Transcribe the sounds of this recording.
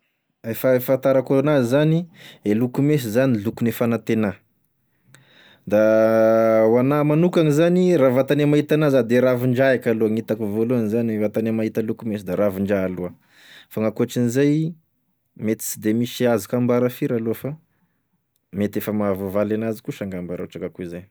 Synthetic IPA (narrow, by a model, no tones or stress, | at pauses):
efaefat̪aɾakonazizanielukumes̬izanilukunefanat̪ena | d̪a | wanamanukaŋizaniravat̪anemaɦit̪anazad̪eɾaviɳɖ͡ʐaakaloaŋit̪akuvoloanizanevat̪anemaɦit̪alukumesid̪aɾaviɳɖ͡ʐaːlua | faŋakuaʈ͡ʂinizaj | met̪i̥t͡sid̪emisiazikambaɾafiɾalofa | met̪efəmavavalanazi̥kuʃaŋɡambaɾa̰uʈ͡ʂakakuizaj